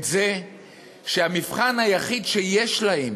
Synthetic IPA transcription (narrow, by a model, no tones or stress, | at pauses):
ze | ʃeamifχanhajaχidʃejeʃlaem